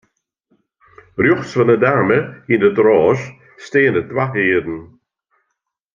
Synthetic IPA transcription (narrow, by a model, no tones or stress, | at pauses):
ɾjuxsvənədaməhiːndətɾɔːʃ | steːnət̪wahiːdn̩